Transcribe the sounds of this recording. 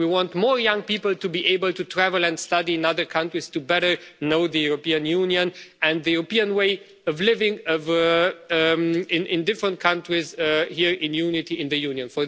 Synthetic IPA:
wiwɑ̃ntmɔɹjʌ̃ŋpipəl̩ˠtɨbiʔeɪbəlˠtʰɨtʰɹ̥ævəl̩ˠɨ̃ndstʌɾiɪ̃nʌðə˞kʰʌ̃ntɹiz̥tɨbɛɾə˞noʊðɨjuɹopĩɨ̃njũnjɨ̃nɨ̃nðɨjʉɹəpiɨ̃nweɪ | ʌvlɪvɪ̃ŋʌv | ɪ̃nɪ̃ndɪfɹə̃ntkʰʌ̃ntɹ̥izhiɹɪ̃njunɪɾiɪ̃nðɨjũnjɨ̃nfə˞

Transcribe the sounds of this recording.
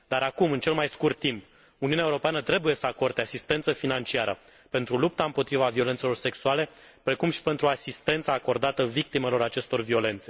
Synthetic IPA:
d̪aɾakumɨnt͡ʃe̞lmajskurt̪ːimp | uniuneaeuɾo̞peanət̪ɾe̞buje̞səako̞rd̪easist̪e̞nt̪səfinant͡ʃiaɾʔə̰ | pe̞nt̪ɾulup̚t̪aɨmpo̞t̪ɾivavio̞le̞nt̪se̞lo̞rse̞ksuale̞ | pɾe̞kumʃi̥pe̞nt̪ɾuasist̪e̞nt̪saːko̞rd̪at̪əvik̚t̪ime̞lo̞ɾat͡ʃe̞st̪o̞rvio̞le̞nt̪se̞

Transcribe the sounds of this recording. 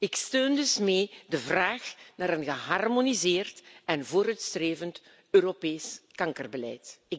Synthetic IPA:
ɪkstøːndɵsmeːdəvraːxnaːɾənɣəɦɑrmonizeːrtɛnvoːɾœɥtstreːvənt | øːropeːskɑŋkərbəlɛ̰jtɪ

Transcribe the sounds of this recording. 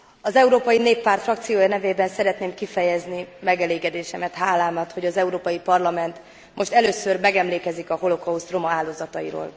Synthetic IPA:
ɒzɛuɾoːpɒjineːpːaːrt̪frɒkt̪sijoːjɒnɛveːbɛnsɛɾɛt̪neːmkifɛjɛznimɛɡɛleːɡɛd̪eːʃɛmɛt̪ɦaːlaːmɒt̪ho̞ɟɒzɛuɾoːpɒjipɒrlɒmɛnt̪ | mʔo̞ʃt̪ɛløːsørmɛɡɛmleːkɛzikɒɦo̞lo̞kɒust̪ro̞mɒaːlːoːzɒt̪ɒjḭɾo̰ːl

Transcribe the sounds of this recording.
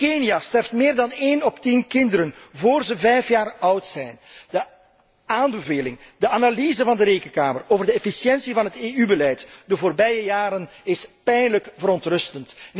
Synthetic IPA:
keniastɛrftmɪːrdɑneːnɔptinkɪndəɾənvoːrzəvɛjfjaːrʌwtsɛjnd̥ə | aːnbəveːlɪŋdəanaliːzəvɑndəɾeːkənkaːməroːvərdəɛfisjɛnsivɑnɦəteːybəlɛjtdəvoːrbɛjəjaːɾənɪspɛjnləkvəɾɔntrɵstəntn

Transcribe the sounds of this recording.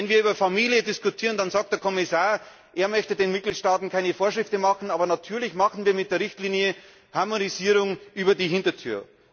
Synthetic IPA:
vɛnviːɐyːbɐfamiːljədɪskutʰiːʁəndanzaːk̚td̥eɐkʰɔmɪsaːɐ | ʔeːɐmœçtədeːnmɪt̚ɡ̥liːtʃtaːtn̩kʰaɪnəfoːɐʃʁɪftəmɑχn̩aːbɐnatʰyːɐlɪçmaχn̩viːɐmɪt̚d̥eːʁɪçtliːnjə | haɐmoniziːʁʊŋʔyːbɐdiːɦɪntɐtʰy̰ːɐ

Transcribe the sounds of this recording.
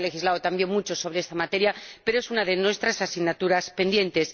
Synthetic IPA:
le̞xizlaðot̪ambje̞ŋmut͡ʃo̞so̞β̞ɾe̞est̪amat̪e̞ɾjapeɾo̞e̞sunaðenwe̞st̪ɾasasiɣnat̪uɾaspe̞nd̪je̞nt̪e̞s

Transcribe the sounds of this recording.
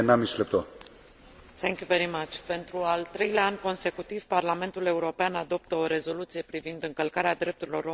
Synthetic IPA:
namislep̚t̪o | θɛ̃ŋkʲjuveɾimat͡ʃpe̞nt̪ɾualt̪ɾe̞jlʲaanʲko̞nse̞kut̪iv̥parlame̞nt̪ule̞uɾo̞peanad̪o̞pt̪əo̞ɾe̞zo̞lut̪sije̞pɾivind̪ɨŋkəlkaɾead̪ɾe̞p̚t̪uɾilo̞ɾo

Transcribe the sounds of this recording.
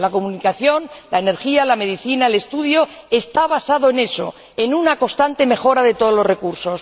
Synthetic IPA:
lako̞munikaθjo̞nlaene̞ɾxialame̞ðiθinaele̞st̪uðjo̞ | e̞st̪aβ̞asaðo̞e̞ne̞so̞̰ | e̞nunako̞st̪ant̪e̞me̞xo̞ɾaðe̞t̪o̞ðo̞lo̞zre̞kuɾso̞s

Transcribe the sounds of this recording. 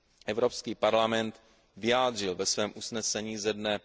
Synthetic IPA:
ʔɛvɾopskiːpaɾlamɛnt̪ | vɪjaːd̪r̝ɪlvɛsvɛːmʔusnɛsɛɲiːzɛdnɛ

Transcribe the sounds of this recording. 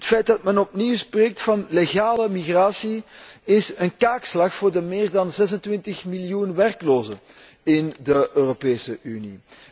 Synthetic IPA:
ɦətfɛjt̚dɑtmɛnɔp̚niwspreːk̚tfɑnleɣaːləmiɣraːsiɪsənkaːkslɑxfoːrdəmɪːrdɑnzɛzəntʋɪntəxmiljunʋɛrkloːzə | ɪndəʔøːropeːsəʔyni

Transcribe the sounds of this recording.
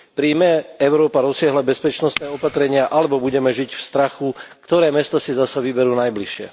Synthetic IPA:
pɾiːmɛɛʊɾɔːpaɾɔsɪaɦlabɛspɛt͡ʃnɔst̪nɛːɔpat̪ɾɛɲɪaʔalɛbɔbuɟɛmɛʒicfst̪ɾaxukt̪ɔɾɛːmɛst̪ɔsizasaʋibɛɾuːnajbliʃɪɛ̰

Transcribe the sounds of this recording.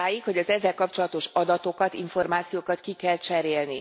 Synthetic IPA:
aːjikho̞ɟɒzɛzːɛlkɒpt͡ʃo̞lɒt̪o̞ʃɒd̪ɒt̪o̞kɒt̪iɱfo̞rmaːt̪sijoːkɒt̪kikɛlt͡ʃɛɾeːlni

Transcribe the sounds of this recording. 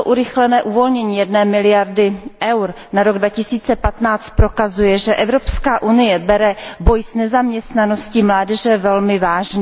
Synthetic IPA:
oʔuɾɪxlɛnɛːʔuvo̞lɲɛɲiːjɛdnɛːmɪlɪjaɾdɪʔɛwɾ | naɾo̞ɡdvacɪsiːt͡sɛpat̪naːt͡st̪̚pɾo̞kazujɛʒɛʔɛvɾo̞pskaːʔunɪjɛbɛɾɛbo̞jsnɛzamɲɛst̪nano̞scimlaːdɛʒɛvɛlmɪvaːʒɲɛ

